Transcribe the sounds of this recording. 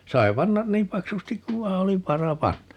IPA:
sɑi̯ pɑnːɑn niːm pɑksustik kuʋ ʋɑi̯ oli ʋɑrɑ pɑnːɑ

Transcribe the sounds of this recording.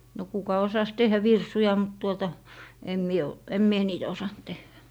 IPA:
no kukɑ osɑs tehˑæ ʋirsujɑ mut tuotɑ em mie o em mie niːtæ osɑnt tehːæ

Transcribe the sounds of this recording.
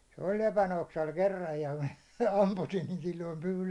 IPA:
se olʲ lepænoksɑl kerːɑj jɑ mæ ɑmpusin niːn silːoim pyː

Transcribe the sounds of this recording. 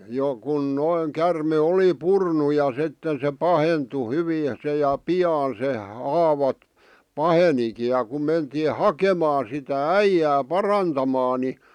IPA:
jo kun noiŋ kærme oli purnu jɑ sitːen se pɑhentu hyʋiː se jɑ piɑːn se hɑːʋɑ pɑheniki jɑ ku mentiː hɑkemɑː sitæ æijæː pɑrɑntɑmɑː ni

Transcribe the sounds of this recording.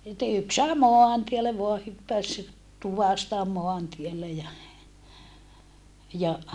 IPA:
sitːe yks sɑe moɑntielːe ʋoɑ hypːæs tuʋɑstɑ moɑntielːe jɑ jɑ

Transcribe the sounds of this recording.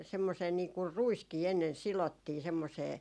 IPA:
semːoseː niːŋkur ruiskiː enːen silotːiː semːoseː

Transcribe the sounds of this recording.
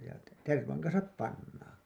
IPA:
jɑ terʋɑŋ kɑnsɑp pɑnːɑːn̞

